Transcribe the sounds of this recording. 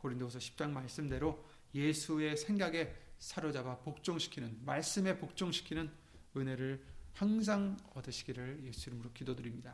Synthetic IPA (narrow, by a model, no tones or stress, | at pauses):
koɾindosʰʌɕʰi̥p̚t͡ɕ͈aŋmaɭs͈ɯmde̞ɾo | je̞sʰue̞sʰe̞ŋɡaɡe̞sʰaɾod͡ʑaɡapok̚t͡ɕ͈oŋɕʰi̥kʰinɯnmaɭs͈ɯme̞pok̚t͡ɕ͈oŋɕʰi̥kʰinɯn | ɯne̞ɾɯɭhaŋs̬ʰaŋʌdɯɕʰi̥ɡiɾɯɭjeɕiɾmɯɾokidodɯɾimɲida